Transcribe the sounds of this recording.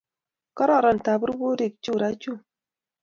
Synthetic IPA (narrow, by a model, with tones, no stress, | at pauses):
kɔ˦ɾɔ˦˨ɾɔ˨n˨ta˨bɾu˦bo˦ɾi˨k̚t͡ʃu˦˨ɾa˦t͡ʃu˦